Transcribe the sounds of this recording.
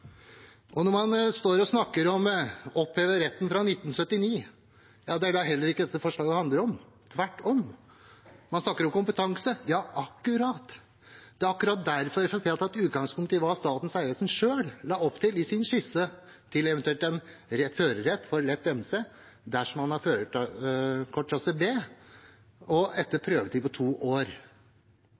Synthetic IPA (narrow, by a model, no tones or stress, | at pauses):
ʔɔnɔɾmɑnst̪oːɾɔsnɑkːəɾɔmɔpːeːʋəɾɛt̪ːn̩fɾɑnɪt̪ːn̩sœt̪ːɪniː | jɑːd̪ɛæɖɑɦɛlːəɾɪkːəd̪ɛt̪ːəfɔʂɭɑːɡəhɑnd̪ləɾɔm | t̪ʰʋæʈːɔm | mɑnsnɑkːəɾɔmkʊmpət̪ʰɑŋsəjɑːʔɑkːʉɾɑːt̪ | d̪̥ɛɑkːʉɾɑːt̪̚d̪æɾfɔɾɛfɔfʰeːlt̪ɑɛt̪ʉːt̪ɡɑŋspʰʊŋkt̪əɪʋɑst̪ɑːt̪n̩sæɪɾəsən̩ʂøːllɑːɔpːt̪ʰɪlɪsɪnʂɪsə | t̪ʰɪlɛʋɛnt̪ʉɛlt̪ɛnɾɛt̪føːɾəɾɛt̪ːfɔɾlɛt̪ːɛmseː | d̪æʂɔmhɑnhɑɾføːɾəʈ | kʰɔʈːsɑsəbeː | ɔɛt̪ːəpʰɾøːʋət̪ɪpɔt̪ʰuːʔoːɾ